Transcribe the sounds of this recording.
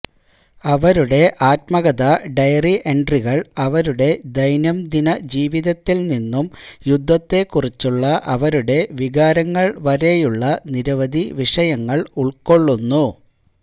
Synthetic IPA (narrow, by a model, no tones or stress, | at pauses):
ɐʋɐɾuɽe̞ʔaːt̚mɐɣɐðɐɖɐjɐriʔeɳɖriɣɐɭɐʋɐɾuɽe̞d̪ɐjnɐmd̪inɐd͡ʑiːʋiðɐt̪ːilninːumjud̪ʱːɐt̪ːe̞kːurit͡ɕːuɭːɐʔɐʋɐɾuɽe̞ʋiɣaːɾɐŋːɐɭʋɐɾe̞juɭːɐniɾɐʋɐd̪ʱiʋiʂɐjɐŋːɐɭuɭko̞ɭːunːu